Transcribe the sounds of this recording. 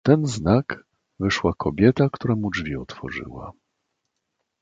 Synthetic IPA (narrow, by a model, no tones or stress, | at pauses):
t̪ɛnznak | vɘʂwakʰɔbʲjɛt̪akt̪uɾamud͡ʐvʲiɔt̪fɔ̰ʐɘ̰wa̰